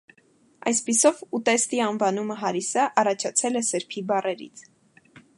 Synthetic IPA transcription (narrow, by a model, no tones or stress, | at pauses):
ʔɑ̰jspisɔvut̪ɛst̪iɑnvɑnuməɦɑɾisəʔɑrɑt͡ʃʰɑt͡sʰɛlɛsəɾpʰibɑrɛɾḭt͡sʰ